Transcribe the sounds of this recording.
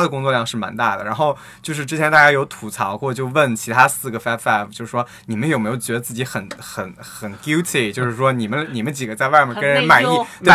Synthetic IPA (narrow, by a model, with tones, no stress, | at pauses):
a˥d̪ə˨kʊ˥ŋt͡swɔ˥˧ljɑ˥˧ŋʂɻ̩˥˩ma̰˧˥nt̪a˥˩d̪ə̰˩ɻa˧˥nxo˥˧ʊ | t͡ɕjo˥˧ʊʂɻ̩˥˩ʈ͡ʂɻ̩˥t͡ɕʰjɛ˧˥nt̪a˥˩t͡ɕja˥jo˧˥ʊt̪ʰu˨˩t͡sʰɑ˧˥ʊxwɔ˥˧t͡ɕjo˥˧ʊwə˥˩nt͡ɕʰi˧˥t̪ʰa˥sɹ̩˥˩ɡə˩fa˥pfɛ˥˩pt͡ɕo˥˧ʊʂɻ̩˥˩ʂwɔ˥ni˨˩mə˦njo˨˩ʊme˧˥ɪjo˧ʊt͡ɕɥɛ˧˥d̪ə˧t͡sɹ̩˥˩t͡ɕi˧˥xə˨˩nxə˨˩˥nxə˨˩nku˥ʊt̪ʰi˨˩t͡ɕjo˥˧ʊʂɻ̩˥˩ʂwɔ˥ni˨˩mə˦nni˨˩mə˦nt͡ɕi˨˩ɡə˧˦t͡sa˥˧ɪwa˥˩ɪmə˨˩kə˥nɻə˧˥nma˨˩ɪi˥˩t̪w